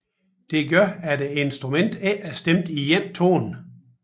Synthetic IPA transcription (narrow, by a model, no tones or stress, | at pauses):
d̥e̝ɡ̥ɶɐ̰ædeensd̥ʁumen̰d̥eʔæsd̥emd̥ijen̰t͡sʰo̝̰ːn̩